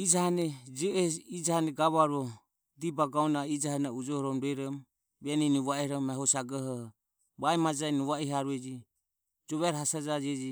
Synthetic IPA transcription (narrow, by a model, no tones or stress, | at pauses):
id͡ʒahanɛd͡ʒɛɛid͡ʒahanɛɡaβaɾɔ | d̪ibaɡaɔnaid͡ʒahanɛud͡ʒɔhɔɾɔmɾɛɾɔm | βɛninuβaɛhɾɔmɛɦɔsaɡɔɦɔ | βaɛmad͡ʒainuβaiɦaɾuɛd͡ʒi | d͡ʒɔβɛɾɔɦasad͡ʒad͡ʒɛd͡ʒi